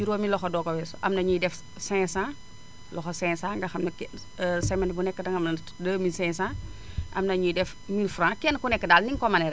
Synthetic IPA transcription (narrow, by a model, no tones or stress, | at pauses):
jiɾoːmilɔxɔdɔkɔwɛsʔɐmnɐɲidɛf | sɛ̃ːsã | lɔxosɛ̃ːsãːŋɡɐxɐmnɐkː | sɛmɛntbunɛkːədɐŋɐmnɐ | dəːmisɛ̃sãːʔɐ̰mnɐɲijdɛf | milfɾãːkɛnkunɛkːədaːlniŋkɔmɐnɛɾ